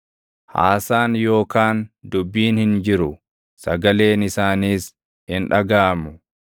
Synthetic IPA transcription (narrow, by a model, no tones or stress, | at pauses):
ha̰ːsaːnjo̞ːkaːnd̪ʊbːiːnhɪnd͡ʒɪɾʊ | sɐɡɐle̞ːnɪsaːniːs | hɪnᶑɐɡaːmʊ